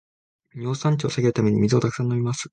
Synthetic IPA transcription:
ɲ̟o̞ːsãɲ̟t͡ɕio̞saɡʲe̞ɾɯ̟t̪amʲe̞ɲ̟imʲizɨot̪akɯ̥sãnːomʲimasɨ̥

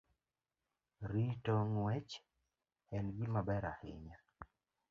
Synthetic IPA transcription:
ɾitɔŋwɛt͡ʃ | hɛnɡimabɛɾahɪ̰ɲa

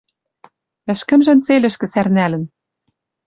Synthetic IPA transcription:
ɘ̆ʃkɘ̆mʒɘ̆nt͡selɘ̆ʃkɘ̆særnælɘ̆n

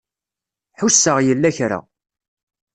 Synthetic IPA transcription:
ħusːəʁjəlːæçɾa̰

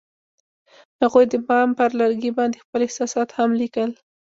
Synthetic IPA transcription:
haɣujd̪əbɑmpəɾlaɾɡibɑnd̪expəlɪhsɑsɑt̪hamlikəl

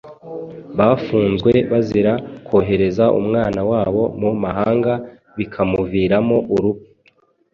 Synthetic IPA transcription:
βaːfuːnzɡwe̞βaziɾako̞ɦe̞ɾe̞zaʔṵmŋaːnawaːβo̞mumaɦaːŋɡa | βikʰamuviːɾamo̞ʔuɾupi̥

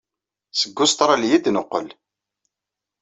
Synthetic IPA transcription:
səɡːʊst̪ɾˤaljid̪nəqːə̰l

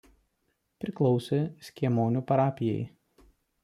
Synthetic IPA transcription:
pʲɾʲɪklˠɔʊsʲesʲkʲiɛmoːnʲuːpɐɾɑːpʲɪjɛ̰ɪ

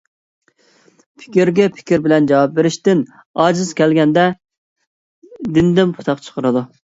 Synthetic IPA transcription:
pʰɪ̥kʲiɾɡʲɛpʰɪ̥kʲiɾbɪlɛnd͡ʒɑwɑp̚beɾɪʃt̪ɪn | ɑːd͡ʒɨzkʲɛlɡʲɛnd̪ɛ | d̪ɪnd̪ɪmpʰʊ̥t̪ʰɑqt͡ʃʰə̥qʰəɾɨd̪u

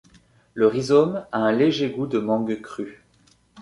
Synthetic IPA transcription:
ləʁizɔmaɛ̃leʒeɡud̪əmɑ̃ɡkχy

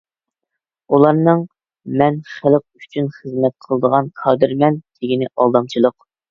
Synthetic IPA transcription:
ulˠɑɾnɨŋ | mɛnχælˠəq̚y̥t͡ʃʰynχəzmɛt̪̚qʰəlˠd̪əʁɑnqʰɑːd̪ɨɾmɛnt̪ʰɪɡʲinɪʔɑlˠd̪ɑmt͡ʃʰilˠəq

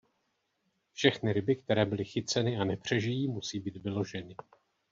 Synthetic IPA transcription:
fʃɛxnɪɾɪbɪkt̪ɛɾɛːbɪlɪxɪt͡sɛnɪanɛpr̝̥ɛʒɪjiːmusiːbiːt̪vɪlo̞ʒɛnɪ

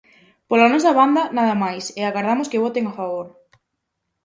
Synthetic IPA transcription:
polanɔs̬ɐβand̪ɐnaðɐmajsɪaɣaɾðamʊskɪβɔt̪eŋafaβoɾ

